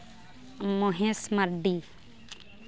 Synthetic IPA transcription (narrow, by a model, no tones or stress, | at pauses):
moɦẽsmaɾɖi